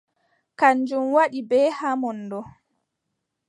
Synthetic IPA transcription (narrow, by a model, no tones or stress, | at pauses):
kaɲd͡ʒumwaɗibɛːhamɔndɔ